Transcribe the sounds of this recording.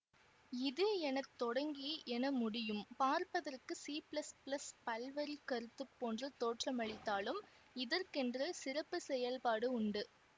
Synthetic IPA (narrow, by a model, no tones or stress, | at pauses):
ɪðɯɛnɐt̪ːɔɽɐŋɡɪjeʔɛnɐmʊɽɪjɯmpaːɾpɐðɐrkɯsiːplɐsplɐspɐlʋɐɾikɐɾɯt̪ːɯpːoːndrɐt̪oːʈrɐmɐɭɪt̪ːaːlɯm | ɪðɐrkɛndrɐsɪrɐpːɯsɛjɐlpaːɽɯʊɳɖɯ